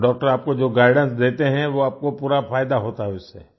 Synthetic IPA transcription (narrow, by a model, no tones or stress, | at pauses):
ɖɔːk̚ʈəɾaːp̚kod͡ʒoːɡaːɪɖə̃nsd̪eːt̪eɦɛ̃ʋoaːp̚kopuːɾafʰaːjd̪aɦoːt̪aɦɛʊsḛː